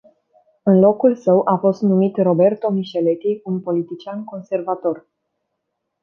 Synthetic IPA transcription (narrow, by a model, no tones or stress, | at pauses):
ɨnlo̞kulsəwʔafo̞st̪numit̪ro̞be̞rt̪o̞miʃele̞t̪iunpo̞lit̪it͡ʃianko̞nse̞rvat̪o̞r